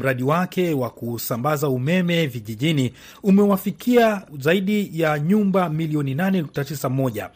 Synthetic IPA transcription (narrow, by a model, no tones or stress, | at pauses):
m̩ɾaɗiwakʰɛwakusambazaumɛmɛviʄiʄini | umɛwafikʰiazaiɗijaɲumbamiliɔninanɛnuk̚tatisamɔʄa̰